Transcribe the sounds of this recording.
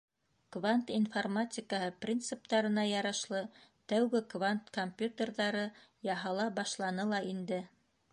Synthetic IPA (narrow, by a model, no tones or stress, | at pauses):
kvant̪informatʲɪkəhɤprʲint̪sɨp̚t̪ɑɾɤ̆nɑjɑɾɑʃlˠɤt̪æwɡɘkvant̪komʲpʲjut̪ʲerðɑɾɤjɑɦɑlˠɑbɑʃlˠɑnɤlˠɑind̪ɘ